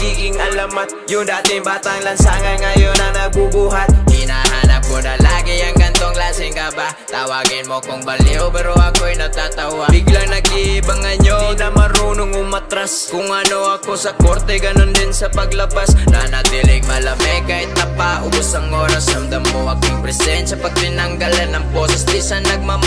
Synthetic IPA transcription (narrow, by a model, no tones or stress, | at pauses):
ɡiːɡɪŋɐlamat̪̚jʊŋd̪aːt̪ɪŋbaːt̪aŋlɐnsaŋanŋɐjonanabubuɦat̪̚hinaɦanap̚konalaːɡijaŋɡɐnt̪oŋklaːsɪŋkaba | t̪awaɡɪnmokʊŋbɐliopɛɾoakoɛnɐɡ̚t̪at̪auabiɡlaŋnɐɡibaŋaɲonɐmɐɾuːnʊŋʊmɐt̪ɾaskʊŋɐnoɐko̞sɐkoɾt̪ɛɡɐnond̪ɪnsɐpɐɡlɐbasnɐnɐd̪ilɪɡmɐlɐmɛkaːhɪt̪̚nɐpaʔʊbʊsɐŋːoːɾasɾɐmd̪ɐmːoɐk̚ʊŋpɾɛsɛnsɐpɐɡ̚t̪ɪnɐŋɡalɐnːɐŋbosɛsd̪isanːɐɡ̚mam